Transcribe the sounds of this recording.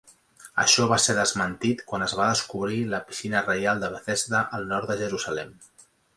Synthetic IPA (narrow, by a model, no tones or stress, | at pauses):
ə̰ʃɔβ̞aseɾðəzmənt̪it̪kwanəzβaðəskuβɾiləpi̥sinərəjalˠd̪əβəθɛzt̪əʔəlˠnɔɾt̪d̪əʒəɾuzəlɛm